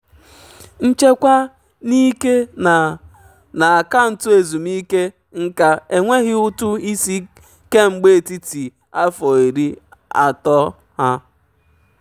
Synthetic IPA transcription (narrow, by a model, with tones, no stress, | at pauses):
n̩˦t͡ʃe˦kʷa˦ | ni˦ke˦ | na˨a˨ka˦n̩˨tʊ˦e˨zu˨mi˦ke˦ | ŋ̩˦ka˦e˨ŋʷe˦ɣɪ˦ʊ˦tʊ˦i˦si˦ | ke˦ŋ͡m̩˨ɡ͡be˦e˨ti˦ti˨ | a˦fɔ˨i˨ɾi˦a̰˨tɔ˦ | ha˦